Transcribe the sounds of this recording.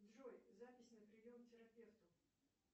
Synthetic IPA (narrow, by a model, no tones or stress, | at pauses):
d̪ʐojzapʲɪsʲnəpɾʲɪjʲomtʲɪɾɐpʲe̞ft̪ʊ